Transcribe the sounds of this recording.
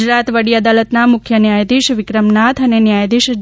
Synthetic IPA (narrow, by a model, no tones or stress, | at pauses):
d͡ʒɾat̪ʋəɽiəd̪alət̪namʊkʰjənjajd̪iʃʋɪkɾəmnat̪ʰənenjajd̪iʃ